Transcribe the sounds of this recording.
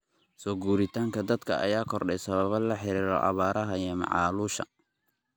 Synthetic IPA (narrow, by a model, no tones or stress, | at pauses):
sɔːɡuːɾɪt̪ʰaːŋkʰɐd̪ɐd̪kʰɐʔɐ̰jaːkʰɔrɖɛsɐβɐβɐlɐħɪɾiːɾɔ̰ʔɑ̰βaːɾɐɦɐijɔmɑ̰ʕɑːluːʃɐ̰